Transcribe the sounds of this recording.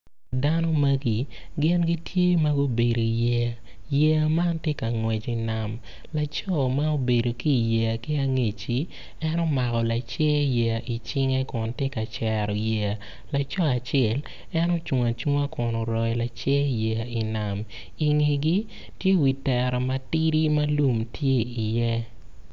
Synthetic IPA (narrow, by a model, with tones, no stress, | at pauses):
da˦nɔ˦mɐ˦ɡi˨ɡɪ˦nɡi˦tʰje˦ma˦ɡo˦be˨ɾo˨i˨jɛ˦˨ | jɛ˦a˨ma˦ntje˦ka˨ŋwɛ˨t͡ʃi˨na˨m | la˨t͡ʃɔ˦ma˦o˦be˨do˨ki˦˨jɛ˨a˨ki˦a˦ŋe˨t͡ʃi˨ | ɛ˦nɔ˦ma˨kɔ˨la˨t͡ʃɛ˦jɛ˨a˨ʔi˨t͡ʃɪ˦ŋe˦kɔ˨ntje˦ka˨t͡ʃɛ˨ɾɔ˨jɛ˨a˨ | la˨t͡ʃɔ˦a˨t͡ʃɛ˦˨l | ɛ˦nɔ˦t͡ʃu˨ŋa˨t͡ʃŋa˦kɔ˨nɔ˨ɾɔ˨ɛ˨˦la˨t͡ʃɛ˦jɛ˨a˨i˨na˨m | i˨ŋi˨ɡi˦ | tje˦wi˨tɛ˨ɾɔ˨ma˨ti˦ɾi˦ma˦lu˨mtʰje˦i˨jɛ˦